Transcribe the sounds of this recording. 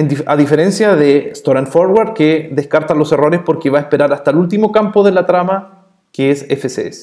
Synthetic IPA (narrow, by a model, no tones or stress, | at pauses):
eniaðife̞ɾe̞nsjaðest̪oɾanfoɾwaɾd̪keðeskaɾt̪alo̞se̞ro̞ɾespo̞ɾkeβaespeɾaɾast̪aelult̪̬imo̞kampo̞ðe̞lat̪ɾama | keesefesḛs